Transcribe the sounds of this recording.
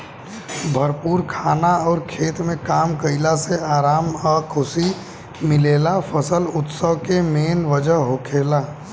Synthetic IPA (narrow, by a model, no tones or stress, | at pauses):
bʱəɾpuːɾkʰaːnaɔːɾkʰeːt̪mẽkaːmkəɪlaseaːɾaːmɔːkʰʊsi | mɪleːlafʰəsəlʊt̪səʋkemeːnʋəd͡ʒəɦɦokʰeːlaː